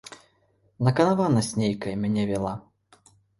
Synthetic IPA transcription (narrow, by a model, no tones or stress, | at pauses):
nɐkɐnavanɐsʲnʲejkɐjɐmʲanʲɛvʲɛlˠa